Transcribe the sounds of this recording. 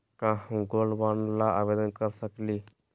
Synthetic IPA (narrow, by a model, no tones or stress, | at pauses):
kãːhũɡoːlbaːnlaːaːʋeːd̪ənkəɾsəkliː